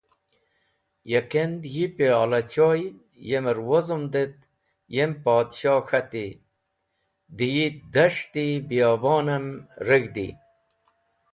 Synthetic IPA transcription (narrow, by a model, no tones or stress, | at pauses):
jekend̪jipealɐt͡ɕoːj | jeməɾwozumd̪et̪ | jempaːd̪ɕɑːxat̪i | d̪ijid̪ɐʂt̪ibijɑːbɑːnɐmɾəɡd̪ḭ